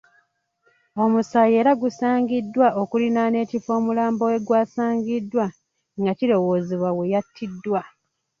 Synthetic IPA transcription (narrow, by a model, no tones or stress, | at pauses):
o̞musaje̞ːɾaɡusaːŋɡidːwaʔokulinane̞ːcifo̞ːmulaːmbo̞e̞ɡwaːsaːŋɡidːwa | ŋɡacilo̞woːziβwawe̞jatʰːidːwa